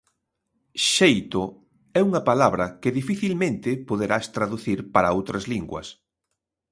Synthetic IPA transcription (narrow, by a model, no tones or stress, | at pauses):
ʃejt̪o | ɛuŋɐpalaβɾɐkɪðifiθilmẽnt̪ɪpoð̞eɾast̪ɾaðuθiɾpaɾɐowt̪ɾɐzliŋɡwɐ̰s